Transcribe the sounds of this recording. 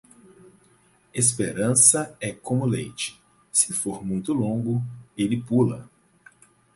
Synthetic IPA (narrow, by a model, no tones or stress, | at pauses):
es̬peɾɐ̃sɐɛkõmʊlejt͡ʃɪ̥ | sɪfoɾmũj̃t̪ʊlõɡʊelɪpulɐ̰